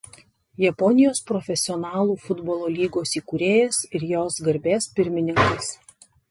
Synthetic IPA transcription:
jɛpɔnʲɪjoːspɾɔfʲɛsʲɪɔnɑːlˠuːfʊd̪bɔlˠoːlʲiːɡoːsiːkuːɾʲeːjɛsɪɾjoːsɡɐɾʲbʲeːspʲɪɾʲmʲɪnʲɪŋkɐɪs

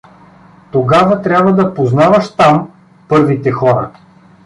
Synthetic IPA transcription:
t̪oɡavɐt̪ɾʲabvɐd̪ɐpoznavɐʃt̪am | pɤɾvit̪ɛxɔɾə̰

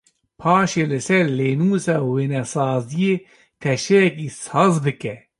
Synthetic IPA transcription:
pʰɑːʃeːlɨsɛɾleːnuːsɑːweːnɛsɑːzijeː | t̪ʰɛʃɛjɛkiːsɑːzbɨkɛ

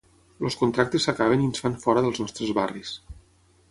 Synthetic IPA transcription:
loskunt̪ɾak̚t̪esəkaβ̞eniənsfanfɔɾəðəlˠznɔst̪ɾəzβaris

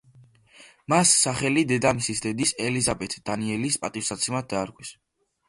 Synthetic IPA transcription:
masːaχɛlid̪ɛd̪amisisd̪ɛd̪isɛlizabɛt̪ʰd̪̥aniɛlispʼat̪ʼifsat̪sʰɛmad̪̚d̪aːɾɡʼwis

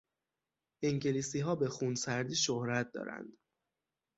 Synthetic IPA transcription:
ʔiŋɟeliːsiːɦɒːbe̞xunsæɾd̪iːʃohɾæt̪̚d̪ɒ̰ːɾæ̰nd̪̥

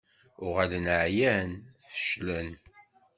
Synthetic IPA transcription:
ʊʁælənəʕjænfə̥ʃlən

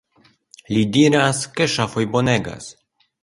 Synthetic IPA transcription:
lidiɾaske̞ʃafo̞jbo̞ne̞ɡa̰s

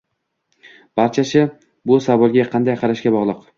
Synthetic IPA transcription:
b̥aɾt͡ʃʰasɪ | bʊsavɒlˠɡʲaqʰɑnd̪ajqʰɑɾaʃɡʲabɒʁlˠɨq

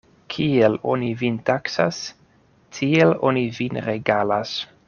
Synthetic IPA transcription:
kʰielo̰nivint̪aksa̰s | tʰielonivinɾeɡalas

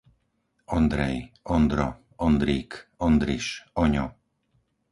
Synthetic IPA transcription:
ɔnd̪ɾɛjɔnd̪ɾɔ̰ | ɔnd̪ɾiːkɔnd̪ɾiʃɔɲɔ

